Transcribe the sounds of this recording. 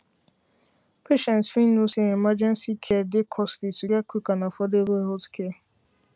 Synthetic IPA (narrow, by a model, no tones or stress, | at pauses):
pʰeʃɛ̃ntfinusiemad͡ʒɛnsikʰedɪkʰɔslituɡakʷikanafɔdebeɦotkʰe